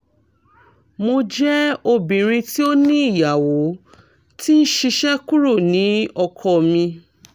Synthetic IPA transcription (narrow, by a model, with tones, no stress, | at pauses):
mo˧d͡ʒɛ˦o˧bĩ˨ɾ̃ĩ˧ti˦o˦nĩ˦i˦˨ja˨wo˨˦ | ti˦n̩˦ʃi˧ʃɛ˦ku˦ɾo˦˨nĩ˨˦ɔ˧kʰɔ˧mĩ˧